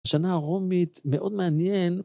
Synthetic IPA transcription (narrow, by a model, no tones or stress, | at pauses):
ʃanaʁomit̪me̞ʔo̞d̪meanjen